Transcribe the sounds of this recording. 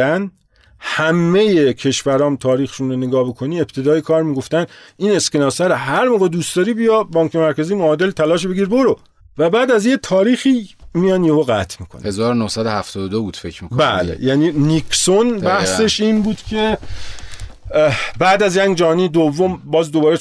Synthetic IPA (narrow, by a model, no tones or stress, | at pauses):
æn | hæmːe̞jecʰe̞ʃvæɾɒːmt̪ʰɒːɾiːxʃunɾoneɡɒːbekʰo̞niːe̞pt̪ʰe̞d̪ɒːjekʰɒːɾmiːɡo̞ft̪æniːne̞skenɒːsæɾɔɦæɾmoɣed̪uːstd̪ɒːɾiːbijɒbɒːŋkʰemæɾkæziːmoːd̪e̞lt̪ʰælɒːʃ̬beɡiːɾboɾo | væbæːd̪æzje̞t̪ʰɒːɾiːxiːmijɒnjeɦoɣæ̰t̪ʰmiːkʰon̰hezɒːɾonohsæd̪ohæft̪ʰɒːd̪od̪obuːt̪fecmikkbæ̰lḛjæniːnikʰsonbbæhse̞ʃiːnbuːd̪̥cʰe | bæːd̪æzjæŋd͡ʒɒːniːd̪ovːombɒːzd̪obɒːɾe